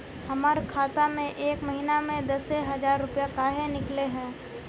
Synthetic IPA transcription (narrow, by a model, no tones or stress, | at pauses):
hɐmaːɾkʰaːt̪amẽʔeːkmɐɦinamẽd̪ɐseɦɐd͡ʒaːɾːʊpijakaːɦenɪkleɦɛ̃ː